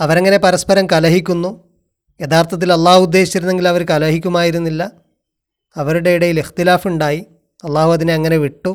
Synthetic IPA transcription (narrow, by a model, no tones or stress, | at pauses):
ɐʋɐɾɐŋːɐne̞pɐɾɐspɐɾɐmkɐlɐɦikʲːunːu | jeðaːrt̪ʰɐt̪̬ːilɐlˠˤːaːhuud̪ːe̞ːɕi̥t͡ɕːɐɾunːe̞ŋɡilɐʋɐɾkɐlɐɦikʲːumaːjiɾunːilːɐ | ɐʋɐɾuɽe̞iɽɐjilixt̪ilaːfuɳɖaːji | ɐlˠˤːaːhuɐðineɐŋːɐne̞ʋiʈːu